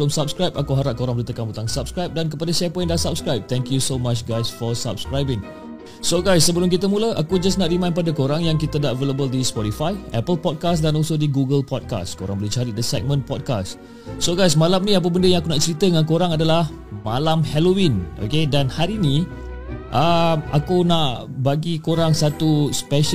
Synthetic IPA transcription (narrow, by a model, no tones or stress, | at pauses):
lʊmsap̚skɾajpakuɦaɾaʔ̚koɾaŋbəɾit̪əkanbut̪aŋsap̚skɾajp̚dank̬əpadaʃɛpɔj̃ndasap̚skɾajp̚t̪ɛ̃ŋkjusomat͡ʃɡajsfɔsa̰p̚skɾajbɪ̃ŋ | soɡajsːəbəlʊmk̬it̪əmũləʔakud͡ʒasnaʔrimãj̃npadakoɾaŋjaŋkit̪ədaʔveləbəldispɔtifajɛpəlpɔd̚kasdanɔlsodəɡuɡəlpɔd̚ka̰sko̰ɾã̰ŋbəlɛt͡ʃaɾidəsɛk̚mə̃npɔd̚ka̰s | soɡajs̬malamnĩap̬əbəndəjãŋakunaʔt͡ʃəɾit̪ədəŋãnkoɾaŋadalah | malamhɛlowĩno̰kedanhaɾini | ʔamakunaʔ | baɡikoɾaŋsat̪uspɛʃ